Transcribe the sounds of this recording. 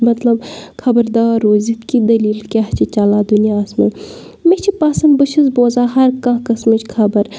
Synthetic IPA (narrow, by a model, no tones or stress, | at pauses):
mɐt̪lɐbkʰɐbɐɾd̪aːɾoːzit̪kid̪ɐliːlkʲaht͡ʃʰit͡ʃalaːd̪unijaːsmɐ | met͡ʃʰipaːsɐnd̪bɨʃɐzboːzaːɦɐɾkãːkɐsmit͡ʃkʰɐbɐɾ